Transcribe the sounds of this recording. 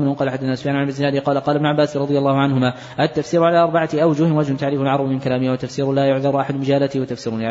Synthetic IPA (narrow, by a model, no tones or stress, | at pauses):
qɑːlaħad̪ːaθanasʊ̥fjaːnʕanbɪzːɪnaːd̪ɪqɑːlaqɑːlabnʊʕabːaːsɾˤɑd̪ˤɨjalːɑːhʊʕanhʊmaː | ʔat̪ːafsiːɾʊʕalaːʔɑɾˤbaʕat̪ɪʔawd͡ʒʊhɪwad͡ʒhʊnt̪aʕɾiːfalʕɑɾˤɑbmɪnkalaːmɪhawat̪afsiːɾʊlaːjʊʕðɑɾˤʔaħad̪ʊmɪd͡ʒaːlat̪ɪwat̪afsiːɾʊlʕ